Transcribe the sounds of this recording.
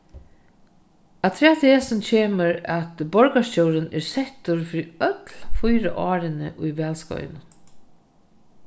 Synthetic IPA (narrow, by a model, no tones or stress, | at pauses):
at̪ʰɾɛːt̪ʰɪɛsɪnt͡ɕʰeːməɾæt̪bɔɹkast͡ɕɔwɾɪnɛ̰ɹsɛt̪ʊɾfɪːɾiœt̪lfʊjɾə̰ʔɑːɾɪnɪ̰ʔʊjʋɛːlskɔ̰ʏ̰nʊn